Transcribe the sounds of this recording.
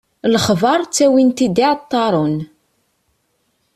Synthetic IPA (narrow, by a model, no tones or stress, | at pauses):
ləχvɑɾˤt͡sːæwint̪id̪iʕt̪ːɑɾˤʊn